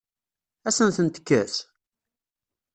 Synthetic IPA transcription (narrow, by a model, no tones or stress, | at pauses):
æsənθənt̪ə̥kːæθ